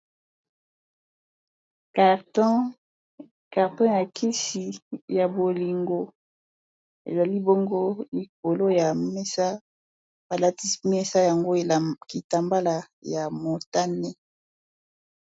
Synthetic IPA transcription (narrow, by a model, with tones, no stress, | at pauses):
kt | ka˨ʁtɔ̃˦ja˨kʰi˦si˨ja˨bo˨li˨ŋɡo˦ | ḛ˨za˨li˦bo˦ŋɡo˦i˨k̚o˨lo˦ja˨mɛ˦sa˦ | ba˨la˦ti˦smɛ˦sa˦ja˨ŋɡo˦˨ki˨ta˨mba˦la˨ | ja˨mo˨ta˦nɛ˦